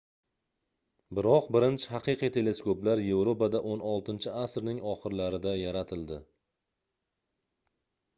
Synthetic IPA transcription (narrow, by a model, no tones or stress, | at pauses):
bɪɾɒqbɪɾɪnt͡ʃʰɪhaqɨjqijt̪ʰe̞le̞skoplaɾje̞vɾopad̪aʔonɒlˠt̪ɪnt͡ʃʰɪasɾnɪŋɒχɨɾlaɾɪd̪ajaɾat̪ʰɪld̪ɪ